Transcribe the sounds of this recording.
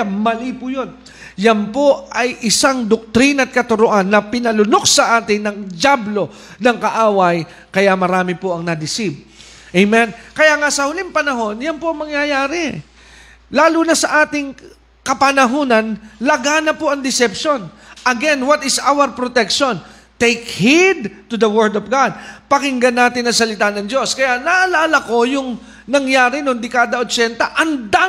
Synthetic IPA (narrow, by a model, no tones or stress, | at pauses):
mɐliːpʊjo̞n | jɐnpo̞ɐjʔɪsaŋd̪ok̚t̪ɾinɐt̪̚kɐt̪ʊɾoʔanːɐpɪnɐlʊnok̚sɐʔaːt̪ɪnɐŋd͡ʒablo̞ | nɐŋkɐʔaːwɐj | kɐjamɐɾaːmɪpoʔɐŋnɐd̪ɪsib̚ | ʔejmɛnkɐjaŋasɐhʊlimpɐnɐɦo̞njɐnpoʔɐŋmɐŋjajaːɾɪ | laːlunɐsɐʔaːt̪ɪŋ | kɐpɐnɐɦoːnɐnlɐɡanɐpoʔɐŋd̪ɪsɛpʃo̞n | ʔɐɡɛnwɐt̪ɪsʔawɐɾpɾot̪ɛkʃon | t̪ejkhid̪̚t̪ʊd̪ɐwɛɹd̪ɔvɡad̪̚pɐkɪŋɡɐnːaːt̪ɪnːɐŋsɐlɪt̪anɐŋd͡ʒo̞skɐjanaʔɐlaːlɐko̞jʊŋ | nɐŋjaːɾɪnoŋd̪ɪkaːd̪ɐʔot͡ʃɛnt̪ɐʔɐnd̪a